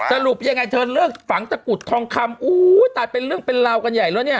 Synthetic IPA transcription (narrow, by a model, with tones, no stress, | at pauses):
sa˧ɾu˨˩p̚ja˧ŋːa˧jt̪ʰɤː˧nlɯ˥˩kfa˩˦ŋt͡ɕa˧ku˨˩t̪ʰːɔː˧ŋkʰa˧mʔuː˦˩jt̪a˨˩t̪̚pe˧nɾɯ˥˩əŋpe˧nla˧wka˧nja˨˩jlɛː˦˥wni˥˩ɐ